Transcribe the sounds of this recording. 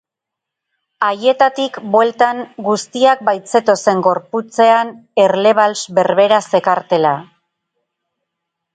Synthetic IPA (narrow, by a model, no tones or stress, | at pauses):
aje̞t̪at̪ikbwe̞lt̪aŋɡust̪iak̚bajt͡se̞t̪o̞se̞ŋɡo̞ɾput͡se̞ane̞ɾle̞β̞alsbe̞ɾβe̞ɾase̞kaɾt̪e̞la